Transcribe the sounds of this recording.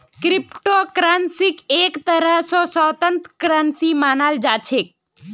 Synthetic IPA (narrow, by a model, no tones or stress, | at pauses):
kɾɪpʈoːkɾaːnsɪkeːkt̪ɐɾəɦsɔːsɔːt̪ə̃nt̪kɾaːnsimaːnaːld͡ʒaːt͡ʃʰek̚